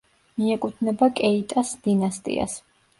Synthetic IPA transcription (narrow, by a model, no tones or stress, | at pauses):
miɛkʼut̪ʰnɛbakʼɛit̪ʼasd̪̥inast̪ʼḭa̰s